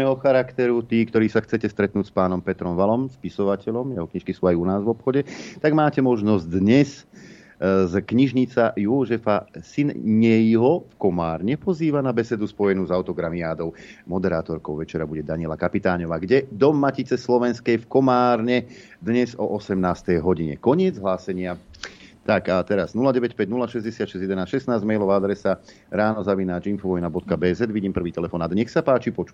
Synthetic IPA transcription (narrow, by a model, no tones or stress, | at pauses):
nɛːɦɔxaɾakt̪ɛɾut̪iːkt̪ɔɾiːsaxt͡sɛcɛst̪ɾɛt̪nuːcspaːnɔmpɛt̪ɾɔmʋalɔmspisɔʋacɛʎɔmjɛɦɔkɲiʃkisuːajunaːzʋɔpxɔɟɛt̪aɡmaːcɛmɔʒnɔzd̪ɲɛs | zkɲiʒɲit͡sajuʒɛfasinɲɛjɦɔfkɔmaːɾɲɛpɔziːʋanabɛsɛd̪uspɔjɛnuːzaʊt̪ɔɡɾamiaːd̪ɔʊmɔd̪ɛɾaːt̪ɔɾkɔʊʋɛt͡ʃɛɾabuɟɛd̪aɲɪɛlakapit̪aːɲɔʋaːɡɟɛd̪ɔmːacit͡sɛslɔʋɛnskɛjfkɔmaːɾɲɛ | d̪ɲɛzɔʔɔsɛmnaːst̪ɛjɦɔɟiɲɛ̰kɔɲɪɛd͡zɦlaːsɛɲɪat̪akat̪ɛɾaznulaɟɛʋɛcpɛɟnulaʃɛzɟɛsɪat̪ʃɛzdjɛd̪ɛnaːsʃɛst̪naːzɟmɛjlɔʋaad̪ɾɛsa | ɾaːnɔzaʋinaːd͡ʒinfuʋɔjnabɔt̪̚kabɛːzɛd̪ʋiɟiːmpr̩ʋiːt̪ɛlɛfɔːnad̪ɲɛxsapaːt͡ʃipɔt͡ʃu̥